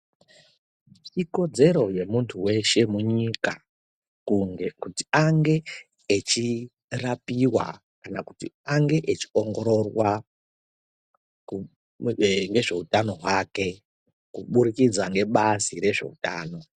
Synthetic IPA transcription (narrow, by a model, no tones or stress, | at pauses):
t͡ʃiko̞d͡ze̞ɾo̞je̞muntʰuwe̞ʃe̞muɲika | kuti̥aŋɡe̞ː | t͡ʃi | rapiwa̰ | kanaku̥tḭaŋɡe̞ʔet͡ʃi̥o̞ŋɡo̞ɾo̞rwa | u | ŋɡe̞ʐe̞utano̞ɦwake̞ | kuɓuɾikid͡zwaŋɡe̞ɓasiɾe̞ʐe̞̰uta̰ːno̞